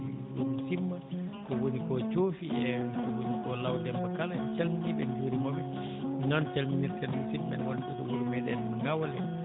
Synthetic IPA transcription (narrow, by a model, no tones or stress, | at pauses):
i | omisimːakɔwonikɔt͡ʃoːfiɛkɔwonikɔlawdɛmːakalaɛt͡ʃalminiɗɛ̰nd͡ʒoːɾimɔbɛ | nɔnt͡ʃalminiɾtɛlmisimːɛ̰nɛwa̰niɗɔkɔwonimɛɗɛ̰nmaŋɡawalɛ̰